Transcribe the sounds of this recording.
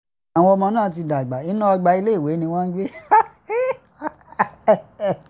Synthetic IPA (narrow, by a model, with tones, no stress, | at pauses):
a˨w̃ɔ̃˧ɔ˧mɔ̃˧nãː˦˨t̬i˧da˨ɡ͡ba˨i˨˦nã˦ɔ˧ɡ͡ba˧i˧le˦i˦˨we˨˦nĩ˧w̃ɔ̃˦n̩˦ɡ͡be˦